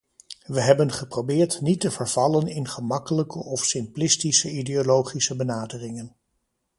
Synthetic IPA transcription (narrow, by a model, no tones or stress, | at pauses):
ʋəɦɛbənχəprowbɪːɹtnitəvəɹv̥ɑlənɪnχəmɑkələkəʔɔfsɪmplɪstisəideolowχisəbənaːdərɪŋən